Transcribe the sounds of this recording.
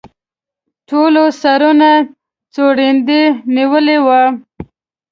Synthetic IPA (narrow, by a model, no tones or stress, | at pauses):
ʈolosaɾuna | t͡soɽend̪eniwəlewa